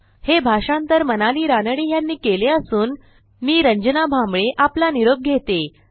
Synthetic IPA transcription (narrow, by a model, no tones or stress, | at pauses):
hebʱaʂãnt̪əɾmənaliːɾanəɽiːjanːiːkeleəsuːn | miːɾəɲd͡ʑənabʱambɭeʔaplaniɾoɡ̚ɡʱet̪e